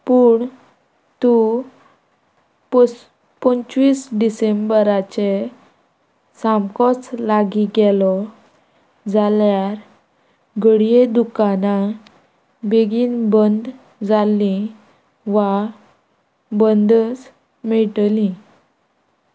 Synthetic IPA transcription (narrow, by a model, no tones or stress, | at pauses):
puɳ | t̪u | pəɲt͡ɕʋiːsɖisembəɾat͡ɕe | samkɔt͡slaɡiɡɛlɔ | d͡zaljaɾ | ɡəɽijed̪ukana | beɡiːnbənd̪ | d͡zalːĩ | ʋa | bənd̪ət͡s | mɛɭʈlĩ